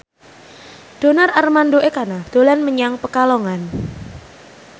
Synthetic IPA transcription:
d̥onararmandoekanad̥olanməɲaŋpəkaloŋan

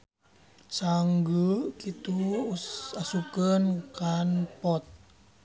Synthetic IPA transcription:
saŋɡəkit̪u | asukənkanpɔt̪̚

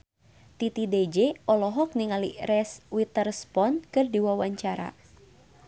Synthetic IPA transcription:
t̪it̪ided͡ʒeɔlɔɦɔk̚niŋalirɛswit̪ərspɔnkɨrdiwawaɲt͡ʃaɾa̰

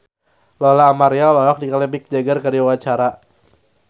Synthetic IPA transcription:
lɔlaːmaɾialɔwak̚dikalɛbɪk̚d͡ʒaɡarkaɾiawat͡ʃaɾa

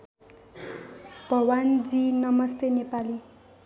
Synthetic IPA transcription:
b̥ʱʌwand͡zinʌmʌst̪enepali

